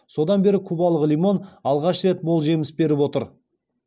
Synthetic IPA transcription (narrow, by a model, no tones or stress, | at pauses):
so̞d̪ɑnbe̞ɾɪkʲʰɵbɑlˠəʁlijmo̞nɑlˠʁɑʃɾe̞t̪molˠʒe̞mɪsbe̞ɾɪpwo̞t̪əɾ